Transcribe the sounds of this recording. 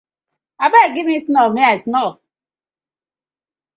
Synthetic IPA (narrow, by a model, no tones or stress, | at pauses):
abaeɡivmisnɔmiasnɔf